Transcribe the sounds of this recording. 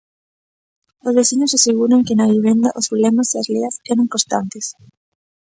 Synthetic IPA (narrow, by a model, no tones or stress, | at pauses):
ozβeθiɲosaseɣuɾaŋkenaβiβ̞end̪aʔosβulemaseazleasɛɾaŋkost̪ant̪es